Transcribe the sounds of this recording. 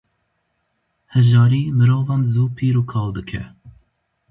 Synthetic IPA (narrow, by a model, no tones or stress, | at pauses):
hɛʒɑːɾiːmɨɾoːvɑmzuːpʰiːɾuːkʰɑːld̪ɨkʰɛ